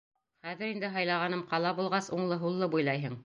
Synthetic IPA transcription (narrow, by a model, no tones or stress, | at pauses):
χæðɘ̆ɾind̪ɘɦɑjlˠɑʁɑnɤmqɑlˠɑbulˠʁɑsuɴlˠɤɦulˠːɤbujlˠɑjɦɤɴ